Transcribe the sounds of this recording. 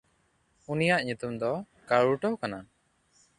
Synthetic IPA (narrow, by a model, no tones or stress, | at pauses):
unijaʔɲut̪umd̪ɔ | kaɭuʈɔwkana